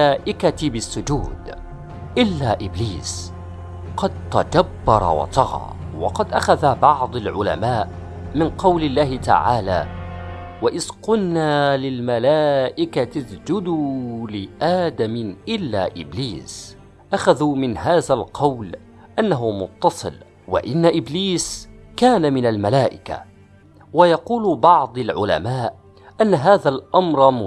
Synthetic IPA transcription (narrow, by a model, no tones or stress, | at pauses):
aːʔɪkat̪bɪsːʊd͡ʒuːd̪ | ʔɪlːaːʔɪbliːs | qɑd̪̚t̪ad͡ʒabːɑɾˤɑ̰wɑ̰t̪ˤɑɣɑ̰ː | wɑ̰qɑd̪ʔaxaðabɑʕd̪ˤɑlʕʊla̰maːʔ | mɪnqɑwlɪlːaːhɪt̪a̰ʕaːlaː | waʔɪsqʊnːalɪlmalaːʔɪkat̪asd͡ʒʊd̪uːlɪʔaːd̪amɪʔɪlːa̰ːʔɪ̰bliːs | ʔaxaðuːmɪnhaːðalqʰɑwl | ʔanːaɦʊmʊt̪ːɑsˤɨ̰l | wa̰ʔɪnːaʔɪbliːskaːnamɪnalmalaːʔɪka̰ | wajɑquːlbɑʕd̪ˤɑlʕʊ̰la̰maːʔ | ʔanːaɦaːðalʔamɾˤm